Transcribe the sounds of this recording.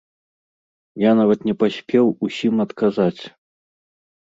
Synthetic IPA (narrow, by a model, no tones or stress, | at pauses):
janavɐt̪nʲɛpasʲpʲɛwusʲimɐt̪kʰazat͡sʲ